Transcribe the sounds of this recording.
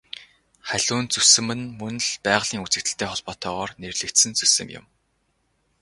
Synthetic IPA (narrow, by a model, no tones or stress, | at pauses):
χæɮ̥ʊːnt͡sɵsɘ̆mɘ̆nmɵn̆ɮpæːʁɮ̥iːŋut͡sɘ̆k̚t̪ɘ̆ɬt̪ʰeːχɔɮpɔːt̪œːʁɔːrnerɮɘ̆kt̪sɘ̆nt͡sɵsɘ̆mjʊ̰m